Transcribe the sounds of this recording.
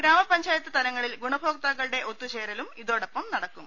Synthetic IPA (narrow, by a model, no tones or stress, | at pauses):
ɡɾaːmɐpɐɲd͡ʑaːjɐt̪ːɨt̪ɐlɐŋːɐɭilɡuɳɐbʱoːk̚t̪aːɣɐɭɽe̞ʔo̞t̪ːut͡ɕeːɾɐlumiðo̞ːɽɐpːɐmnɐɽɐkːum